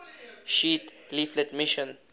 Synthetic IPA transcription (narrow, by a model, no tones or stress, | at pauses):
ʃiːtliflɛtmiʃɔ̃n